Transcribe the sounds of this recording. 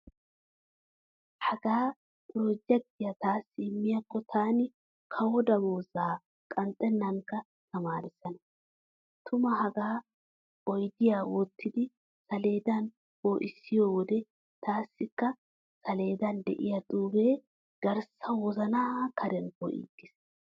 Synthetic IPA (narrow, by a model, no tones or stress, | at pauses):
hɐɡaː | ʊɾɔd͡ʒːɛkːɪjɐt̪aːsːɪːmːɪjɐkːɔt̪ʰaːnɪ | kʰɐwɔd̪ɐmoːzaː | kʼɐnt̪ʼːɛnːɐŋkːɐ | t̪ʰɐmaːɾɪsːɐnɐ | t̪ʰʊmɐɦɐɡaː | ɔjd̪ɪjaːwɔt̪ːɪd̪ɪ | sɐle̞ːd̪ɐn | boːʔɪsːɪjoːwɔd̪ɛ | t̪ʰaːsːɪkːɐ | sɐle̞ːd̪ɐnd̪ɛ̰ʔɪjɐt̪ʼuːbe̞ː | ɡ̥ɐɾsɐwɔzɐnaːkʰɐɾɛnkɔ̰ʔḭːɡːɪs